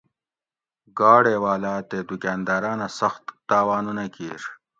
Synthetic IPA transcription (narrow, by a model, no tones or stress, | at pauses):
ɡaːɽeːwaːlaːt̪eːd̪ukʲaːnd̪aːɾaːnasɐxt̪ːaːwaːnunakiːɾ